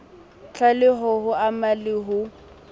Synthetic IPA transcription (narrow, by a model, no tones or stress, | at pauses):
t͡ɬʰalɪɦɔhʊamalɪɦʊ